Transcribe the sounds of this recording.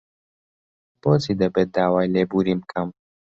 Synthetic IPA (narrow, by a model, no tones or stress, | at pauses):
b̥oːt͡sid̪ɐbeːt̪̚d̪aːwaːjleːbuɾiːmkʰɐm